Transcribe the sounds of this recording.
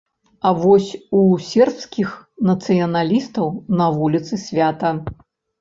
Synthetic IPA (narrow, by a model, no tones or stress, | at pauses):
ɐvɔsʲusʲɛrpskʲixnɐt̪sɨjɐnalʲist̪ɐwnɐvulʲit̪sɨsʲvʲat̪ɐ